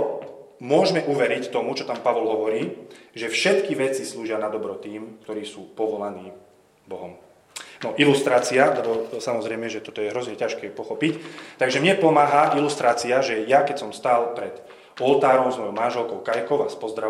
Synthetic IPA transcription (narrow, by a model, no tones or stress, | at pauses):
mʊɔʒmɛʔuʋɛɾict̪ɔmut͡ʃɔt̪ampaʋɔlɦɔʋɔɾiːʒɛfʃɛt̪kiʋɛt͡sisluːʒɪanad̪ɔbɾɔt̪iːmkt̪ɔɾiːsuːpɔʋɔlaniː | bɔɦɔm | nɔʔilust̪ɾaːt͡sialɛbɔsamɔzɾɛjmɛʒɛt̪ɔt̪ɔjɛɦɾɔzɲɛcaʃkɛːpɔxɔpict̪aɡʒɛmɲɛpɔmaːɦaʔilust̪ɾaːt͡siaʒɛjakɛcsɔmst̪aːlpɾɛd̪̥ | ɔlt̪aːɾɔʊzmɔjɔʊmanʒɛlkɔʊkajkɔʊaspɔzd̪ɾa